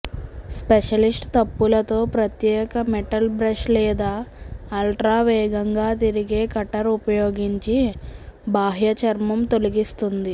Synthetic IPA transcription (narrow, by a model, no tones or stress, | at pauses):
speʂɐlisʈt̪ɐpːulɐt̪o̞ːpɾɐt̪jɛːkɐmɛʈɐlbɾɐʂlɛːd̪aːɐlʈɾaːʋɛːɡɐŋɡaːt̪iɾiɡe̞ːkɐʈːɐɾupɐjoːɡiɲt͡ʃi | bʱaːɦjɐt͡ʃɐɾmɐmt̪oliɡist̪und̪i